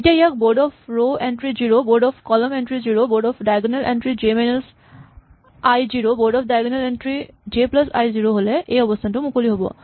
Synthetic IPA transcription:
etiaijak̚boɹdɔpʰɹoɛntɹiziɹoboɹdɔpʰkɔlɔmɛntɹiziɹoboɹdɔpʰdajɡɔnalʔɛ̰ntɹizemenels | ajziɹobɔɹdɔpdajɡɔnalɛntɹid͡ʒeplasa̰jziɹoɦolɛʔejɔbɔstʰantʊmukoliɦobɔ̰

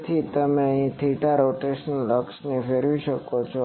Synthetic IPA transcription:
t̪ʰit̪əmeĩt̪ʰiʈaɾoʈeʃənnləksnifeɾʋiʃəkot͡ʃʰo

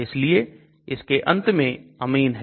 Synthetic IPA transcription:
ɪslie | ɪskeʔɐ̰̃nt̪mẽɐmiːnɦɛ

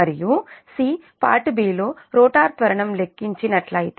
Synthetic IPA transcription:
ɐɾijusiː | pa̰ːʈbiːlo̞ːɾoːʈaːɾt̪ʋɐɾɐɳɐmle̞kːiɲt͡ʃinɐʈlɐjit̪

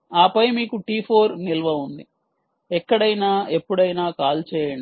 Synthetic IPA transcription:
aːpɐjmiːkuʈiːpʰoːɾnilɐʋɐund̪i | ɛkːɐɽɐjnaːe̞pːuɽɐjnaːkaːlt͡ʃɛːjɐɳɖi

